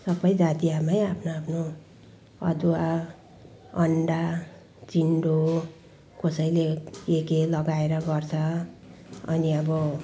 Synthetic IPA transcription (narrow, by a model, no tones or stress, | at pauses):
sʌbʌjd͡zat̪iamajapʰnoapʰno | ʌ̰d̪uwa | ʌɳɖa | t͡siɳɖo | kʌsʌjleekelʌɡaeɾʌɡʌrt͡sʰʌ | ʌ̰niʌbʌ